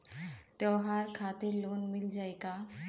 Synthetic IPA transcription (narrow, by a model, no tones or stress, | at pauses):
t̪ɔɦaɾkʰat̪iɾlonmild͡ʒajka